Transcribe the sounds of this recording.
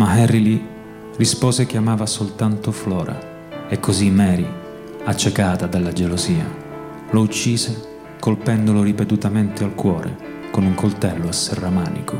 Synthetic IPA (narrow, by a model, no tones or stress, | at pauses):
maɦɛrːili | rispoːzekamaːvasolt̪ant̪oflɔːɾʔa̰ | ekːozimɛːɾi | at͡ʃːekaːt̪ad̪alːad͡ʒeloziːa̰ | lout͡ʃːiːze | kolpɛnd̪oloɾipet̪ut̪ament̪ealkwɔːɾʔḛ | konuŋkolt̪ɛlːoasːerːamaːnḭko